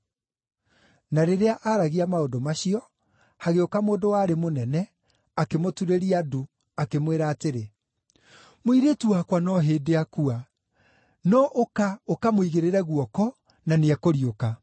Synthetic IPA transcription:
naɾeɾeaʔaɾaɣiamaodomaɕiɔ | haɣeokamoːdowaːɾemonɛnɛ | akemotuɾeɾiadu | akemweɾaːteɾe | moiɾetuwakwanɔɦeːdeakua | nɔʔokaokamoiɣeɾeɾɛɣuɔkɔ | naneɛkoɾioka

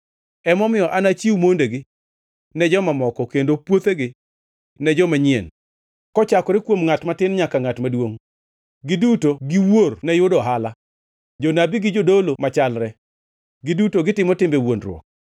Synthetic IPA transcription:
ɛmɔmɪjɔʔanat͡ʃiwumondeɡɪ | nɛd͡ʒɔmamɔkɔkendopwot̪eɡɪ | nɛd͡ʒɔmaɲɪḛn | kɔt͡ʃakɔɾɪkwomŋatmatɪnɲakaŋatmadwoŋ | ɡɪdutoɡɪwornɛjʊdɔɦala | d͡ʒonabiɡɪd͡ʒodolomat͡ʃalɾɛ | ɡɪdutoɡɪtɪmɔtɪmbewonɾw̰ɔ̰k̚

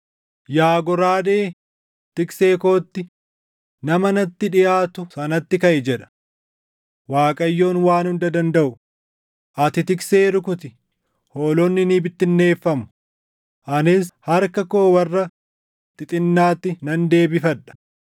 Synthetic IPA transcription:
jaːɡɔɾaːd̪eː | t̪ɪkseːko̞ːt̪ːɪ | nɐmɐnɐt̪ːɪᶑɪjaːt̪ʊsɐnɐt̪ːɪkɐʔɛd͡ʒɛᶑɐ̥ | waːkʼɐjːo̞ːnwaːnhʊnd̪ɐd̪ɐnd̪ɐʔʊ | ʔɐt̪ɪt̪ɪkseːɾʊkʊt̪ɪ | hoːlɔnːɪniːbɪt̪ːɪnːe̞ːfːɐmʊ̥ | ʔɐnɪshɐɾkɐkoːwɐrːɐ | t̪ɪt̪ʼɪnːaːt̪ːɪnɐnd̪e̞ːbɪfɐᶑɐ̥

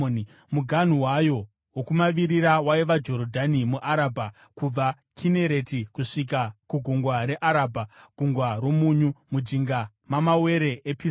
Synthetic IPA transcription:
i | muɡʱan̤uwajo̞ | wokumaʋiɾiɾawaiʋad͡ʒo̞ɾodʱanimuʔaɾaːbʱa | kub͡va | kʰine̞ɾe̞tikuʂik̬akuɡʱuŋɡwaɾe̞ʔaɾaːbʱaɡ̥ʱuŋɡwaɾo̞muɲumud͡ʒiŋɡa | mamawe̞ɾe̞ʔepi

